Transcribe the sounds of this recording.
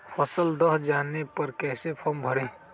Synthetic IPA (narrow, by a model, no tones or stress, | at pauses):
fʰɐsəld̪ɐɦd͡ʒaːnepɐɾkɛːsepʰɐɾmbʱɐɽẽː